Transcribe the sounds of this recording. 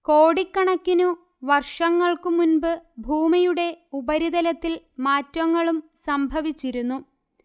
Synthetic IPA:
ko̞ːɽikːɐɳɐkːinu | ʋɐrʂɐŋːɐɭkɨmunbɨbʱuːmijuɽe̞ubɐɾiðɐlɐt̪ːil | maːtːwɐŋːɐɭumsɐmbʱɐʋit͡ɕːiɾunːu

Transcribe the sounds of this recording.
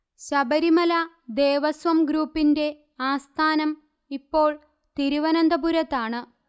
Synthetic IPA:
ɕɐbɐɾimɐla | d̪e̞ːʋɐsʋɐmɡɾuːpːinde̞ | aːst̪ʰaːnɐm | ipːo̞ːɭ | t̪iɾiʋɐnɐnd̪ɐbuɾɐt̪ːaːɳɨ

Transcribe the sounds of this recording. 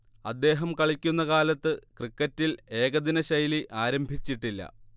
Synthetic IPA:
ɐd̪ːe̞ːɦɐmkɐɭikʲːunːɐkaːlɐt̪ːɨkrikːɐtːile̞ːɡɐðinɐɕɐjliʔaːɾɐmbʱit͡ɕːiʈːilːɐ̰

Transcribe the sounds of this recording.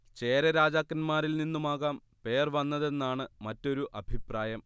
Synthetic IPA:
t͡ɕe̞ːɾɐɾaːd͡ʑaːkːɐnmaːɾilninːumaːɣaːm | pe̞ːrʋɐnːɐðe̞nːaːɳɨmɐtːo̞ɾuʔɐbʱipraːjɐm

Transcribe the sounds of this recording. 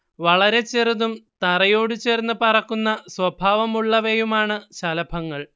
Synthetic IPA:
ʋɐɭɐɾe̞t͡ɕe̞ruðumt̪ɐrɐjo̞ːɽut͡ɕe̞ːrnːuɨpɐrɐkːunːɐswɐbʱaːʋɐmuɭːɐʋejumaːɳɨɕɐlɐbʱɐŋːɐɭ

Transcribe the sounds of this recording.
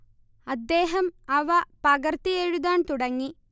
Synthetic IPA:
ɐd̪ːeːɦɐmɐʋɐpɐɡɐɾt̪ieɻud̪aːnt̪uɽɐŋːi

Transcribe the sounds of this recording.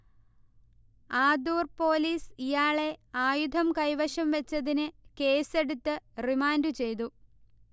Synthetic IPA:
aːd̪uːrpo̞ːliːsijaːɭe̞aːjud̪ʱɐmkɐjʋɐʂɐmʋet͡ɕːɐðinɨke̞ːse̞ɽut̪ːɨrimaːndɨt͡ɕe̞jt̪u

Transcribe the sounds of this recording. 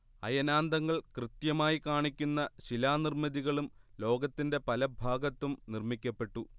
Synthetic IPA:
ɐ̰jɐnaːnd̪ɐŋːɐɭkrɨt̪jɐmaːjikaːɳikʲːunːɐɕilaːnirmɐðiɣɐɭumlo̞ːɡɐt̪ːinde̞pɐlɐbʱaːɡɐt̪ːumnirmikʲːɐpːe̞ʈːu

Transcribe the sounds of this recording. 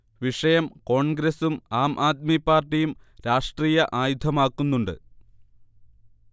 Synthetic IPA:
ʋiʂɐjɐmko̞ːɳɡɾɐsumaːmʔaːt̪̚mipːaːrʈːijum | ɾaːʂʈriːjɐʔaːjud̪ʱɐmaːkːunːuɳɖɨ̰

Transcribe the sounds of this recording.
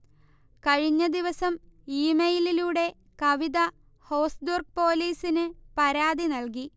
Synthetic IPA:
kɐɻiɲːɐd̪iʋɐsɐmiːmejililuːɽe̞ | kɐʋid̪ɐ | hoːsdurk̚po̞ːliːsinɨpɐɾaːd̪inɐlk̬i

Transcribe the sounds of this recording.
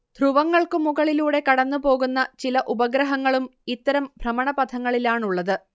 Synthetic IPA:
d̪̥ʱruʋɐŋːɐɭkɨmuɣɐɭiluːɽe̞kɐɽɐnːupo̞ːɣunːɐt͡ɕilɐʔubɐɡɾɐɦɐŋːɐɭumit̪ːɐɾɐmbʱrɐmɐɳɐpɐt̪ʰɐŋːɐɭilaːɳuɭːɐðɨ

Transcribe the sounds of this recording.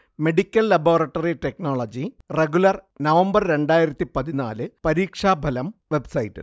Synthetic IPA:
me̞ɖikʲːɐlːɐboːrɐʈːɐriʈe̞knoːɭɐd͡ʑi | re̞ɡulɐrnɐʋɐmbɐrɾe̞ɳɖaːjiɾɐt̪ːipɐðina̰ːlɨpɐɾiːkʂaːbʱɐlɐmʋe̞bsɐjitːɨ̰

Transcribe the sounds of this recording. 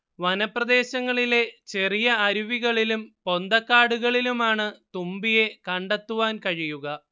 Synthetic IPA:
ʋɐnɐprɐd̪e̞ːɕɐŋːɐɭile̞t͡ɕe̞rijɐːɾuʋiɣɐɭilumpo̞nd̪ɐkːaːɽuɣɐɭilumaːɳɨt̪umbije̞kɐɳɖɐt̪ːuʋaːnkɐɻijuɣɐ

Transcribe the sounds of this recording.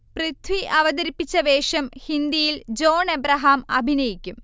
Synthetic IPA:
prɨt̪ʰwiʔɐʋɐd̪ɐɾipːit͡ɕːɐʋeːʂɐmhind̪ijild͡ʑo̞ːnebɾɐɦaːmɐbʱinɐjikʲːum

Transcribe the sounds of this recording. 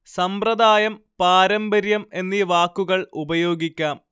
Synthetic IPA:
sɐmprɐd̪aːjɐmpaːɾɐmbɐɾjɐme̞nːiːʋaːkːuɣɐɭubɐjo̞ːɡikʲːaːm

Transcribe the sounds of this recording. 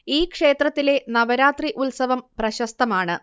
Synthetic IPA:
iːkʂe̞ːt̪rɐt̪ːile̞nɐʋɐɾaːt̪riʔulsɐʋɐmprɐɕɐst̪ɐmaːɳɨ

